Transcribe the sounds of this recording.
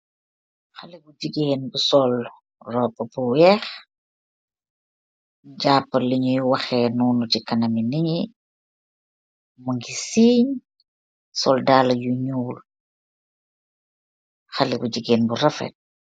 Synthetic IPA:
xalibud͡ʒiɡeːnbusɔl | rɔːpːɐbuwɛːx | ɟaːpːɐliɲujuwaxeːnuːnutikɐnɐminiɲi | muŋɡisiːɲ | sɔldaːlɐjuɲuːl | xalibuɟiɡeːnbuɾɐfḛt̚

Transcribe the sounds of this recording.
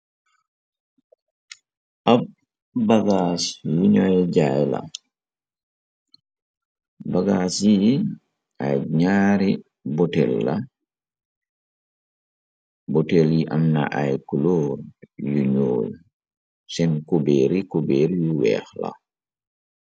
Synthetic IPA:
ʔab̚ː | aɡaːsjuɲɔjɟajla̰ | baɡasji | aɲaːɾi | bɔtɛlːa̰ | bɔtɛljiʔamna̰ʔajkulɔːɾjuɲoːl | sɛnkubɛːɾikubɛːɾjuwɛ̰ːxla̰

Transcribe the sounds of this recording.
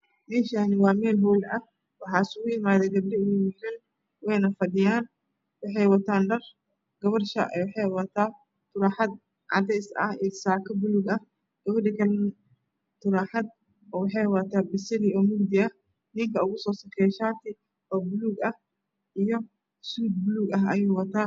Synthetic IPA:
mɛːʃaːnɪwɑːmɛːlbɔːlɐ | wɑħɑːsʊɣʊjɪmaːðɛɡɐb̚ɖɪʊʊjɪħɛn | wɛjnɐfɐd̪ɪjaːn | wɑħɑjwɐt̪ʰaːnɖɐr | ɡ̥ɐβɐrʃɐ̰ʔɛ̰wɑħɑjwɐt̪ʰaː | t̪ʰʊɾaːħɑd̪̚ | ʕɑ̰d̪ɛjsɐ̰hɛːsaːkʰɐbʊluːɡɐh | ɡ̥ɐwɐɖɪkʰɐln | t̪ʰʊɾaːħɑd̪̚ | ɔːwɑħɑjwɐt̪ʰaːbɪsɪliɔːmʊɡd̪ɪɐ | nɪŋkʰɐʊɣʊsɔːsɐkʰɛːʃaːt̪ʰɪ | ɔːbʊluːɡɐh | ʔijɔ | suːd̪̚bʊluːɡɐɦɐ̰juːwɐt̪ʰaː

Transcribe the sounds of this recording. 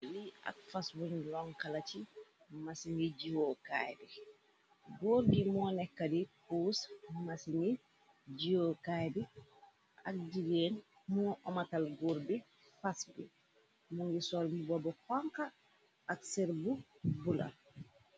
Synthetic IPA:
lia̰k̚faswuɲlɔŋkalat͡ʃi | masiŋɡid͡ʒiwoka̰jbi | ɡɔːɾbimɔnɛkːadipuːsmasiŋɡi | d͡ʒiwokajbi | ʔa̰k̚d͡ʒiɡeːn | muʔɔmatalɡuɾbi | fasbḭ | muŋɡisɔlmibɔbɔkɔŋkaː | kseɾbubula̰

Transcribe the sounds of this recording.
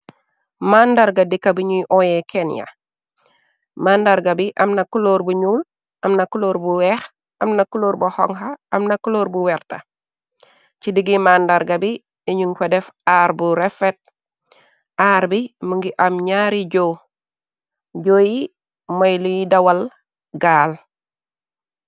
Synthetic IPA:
mandaɾɡadikabiɲujʔojekenja̰ | maːndaɾɡabiʔɐmnɐkuloːɾbuɲuːl | ʔɐmnɐkuloːɾbuwɛːx | ʔɐmnɐkuloːɾbuhoŋhaːmnɐkuloːɾbuwɛɾta̰ | t͡ʃidiɡimandaɾɡabi | eɲuŋkedefaːɾbuɾefet̚ | aːɾbimuŋɡiʔamɲaːɾiɟo | ɟoːji | majlujidawal | ɡaːl

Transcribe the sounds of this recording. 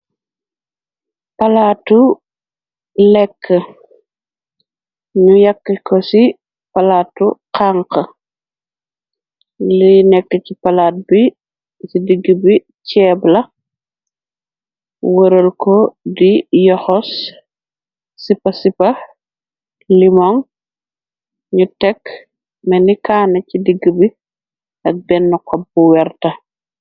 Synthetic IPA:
pɐlatu | lɛkːə | ɲujɐkːikɔsi | pɐlaːtuqaŋkə | linɛkːəcipɐlaːt̚bi | sidiɡːibi | cɛːblɐ | wəɾəlkodijɔxɔs | ipɐsipɐ | limɔŋ | ɲutɛk | mɛnikaːnɐcidiɡəbi | ʔɐk̚bɛnːukɔbːuwɛɾtɐ

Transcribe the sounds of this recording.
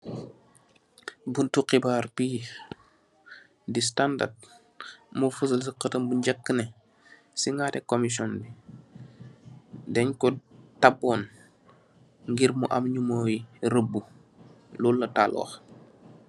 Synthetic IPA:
buntuqibaːrpiː | distanda̰rd̚ | mufəs̬əlsiqətəmbuɲɟɐkːənɛ | siŋɡatɛkomis̬ɔnbi | dɛɲkɔtabɔːn | ŋɡiɾmuʔamɲumoːjiɾəbːu | lulːɐtalɔ̰ːx

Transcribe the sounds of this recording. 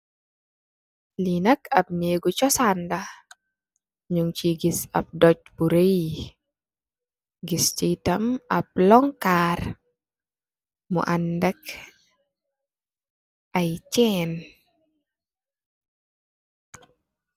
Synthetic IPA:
linakɐp̚neɡut͡ʃɔsanda | ɲuŋt͡ʃiɡisa̰p̚dɔt͡ʃ̚buɾej | ɡist͡ʃitɐmɐp̚lɔŋkar | mṵʔandɛk | ʔajt͡ʃɛn

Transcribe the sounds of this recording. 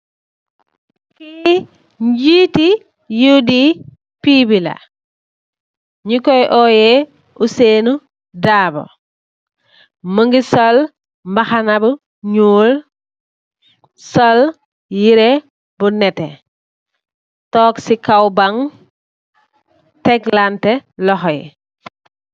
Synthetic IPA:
ki | ɲɟiːti | judi | piːbilɐ̰ | ɲikɔjʔɔːjɛ | ʔuseːnu | daːbɔ̰ | məŋɡisɔl | mbɐxanabu | ɲuːl | sɔl | jiɾe | bunɛtɛ | tɔːksikawbaŋ | tɛklantɛlɔxɔj̰

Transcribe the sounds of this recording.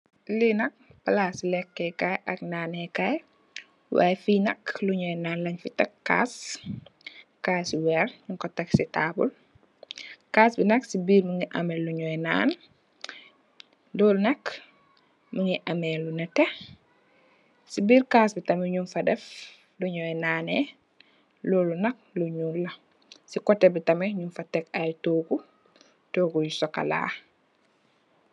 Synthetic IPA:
linɐk̚pɐlaːsilɛkːɛkajʔɐknaːnɛkaj | wa̰ːjɛfiːnɐkluɲɔːjnaːnlɐɲfitɐkːa̰ːs | kaːsiwɛrɲuŋkɔtɐksitaːbṵl | kaːsbinɐksibiːɾmuŋɡiʔɐmɛluɲɔjna̰ːn | dɔːlunɐk | muŋiʔɐmɛlunɛtɛ | sibiːɾkaːsbitɐmɛɲunfɐdɛf | luɲɔjnaːnɛ | lɔːlunɐk̚luɲuːlɐ | sikɔtːɛbitɐmɛɲunfɐtɛkajtoːɡu | toːɡujusɔkːɐ̰la̰ː

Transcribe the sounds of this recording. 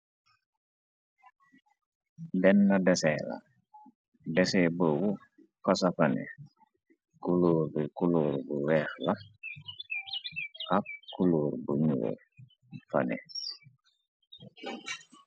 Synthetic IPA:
dɛnːɐdɛsɛla̰ | dɛsɛbowu | kɔsɐfɐnɛ̰ | kuloːɾbikuloːɾbuwɛːxlɐ | ɐkkːuloːɾbuɲo̰ːr | fɐ̰nɛ̰

